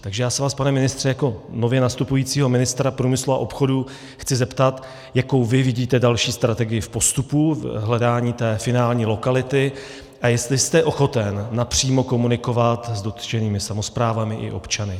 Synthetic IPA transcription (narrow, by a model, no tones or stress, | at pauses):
t̪aɡʒɛjaːsɛvaːspanɛmɪnɪst̪r̥ɛjako̞no̞vjɛnast̪upujiːt͡siːɦo̞mɪnɪst̪ɾapɾuːmɪslua̰ʔo̞pxo̞du | xt͡sɪzɛpt̪at̪ | jako̞wvɪvɪɟiːt̪ɛdalʃiːst̪ɾat̪ɛɡɪjɪfpo̞st̪upuɦlɛdaːɲiːt̪ɛːfɪnaːlɲiːlo̞kalɪt̪ɪ | ʔajɛst̪lɪst̪ɛʔo̞xo̞t̪ɛnːapr̝̥iːmo̞ko̞munɪko̞vat̪zdo̞t̪ʒ̥ɛniːmɪsamo̞spɾaːvamɪʔɪ̰ʔo̞̰pt͡ʃanɪ